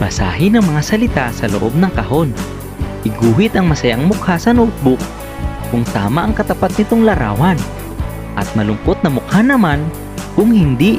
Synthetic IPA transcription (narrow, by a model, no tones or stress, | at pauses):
bɐsa̰ːɦɪnɐŋmɐŋasɐlɪt̪asɐloʔo̰b̚nɐŋkɐho̞n | ʔɪɡuːɦɪt̪ɐŋmɐsɐjaŋmʊk̚hasɐnoʔʊt̪̚bʊk̚ | kʊŋt̪aːmaʔɐŋkɐt̪ɐpat̪̚nɪt̪oŋlɐɾa̰ːwɐn | ʔɐt̪̚mɐlʊŋkot̪̚nɐmʊk̚hanɐman | kʊŋhɪnd̪i